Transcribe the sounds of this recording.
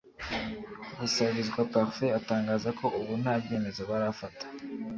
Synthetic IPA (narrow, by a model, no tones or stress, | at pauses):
βusaβizɡwapaʁfe̞ataːŋɡaːzakʰo̞ʔuβun̥abɟe̞ːme̞zo̞βaɾafatḁ